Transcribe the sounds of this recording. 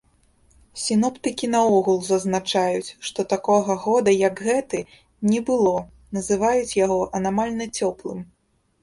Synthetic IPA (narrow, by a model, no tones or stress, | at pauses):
sʲinɔpt̪ɨkʲinɐɔɣulˠzɐznat͡ʂajut͡sʲʂt̪ɔt̪akɔɣɐɣɔd̪ɐjɐɡɣɛt̪ɨ | nʲɛbɨlˠɔ | nɐzɨvajut͡sʲjaɣɔʔɐnamalʲnɐt͡sʲɔplˠɨm